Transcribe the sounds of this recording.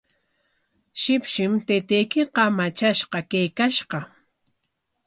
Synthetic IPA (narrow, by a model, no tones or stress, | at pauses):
ʃɪpʃɪmt̪et̪ejkɪqɑmat͡ʃaʃqɑkejkaʃqɑ